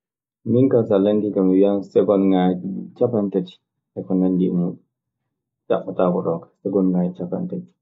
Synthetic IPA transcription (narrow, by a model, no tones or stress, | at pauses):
miŋkansalanɡikamiwiansɛɡɔnŋat͡ʃapantat͡ʃi̥ | ɛkɔnanɡimuɗ | d͡ʒa̰ɓɔtakɔɗɔkḁsɛɡɔnŋad͡ʒt͡ʃapa̰ntat͡ʃi̥